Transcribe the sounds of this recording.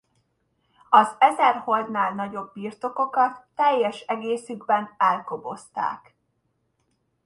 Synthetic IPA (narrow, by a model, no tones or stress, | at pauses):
ɒzɛzɛrho̞ld̪naːlnɒɟo̞bːiːrt̪o̞ko̞kɒt̪ːɛjːɛʃɛɡeːsyɡbɛnɛlkobo̞st̪a̰ːk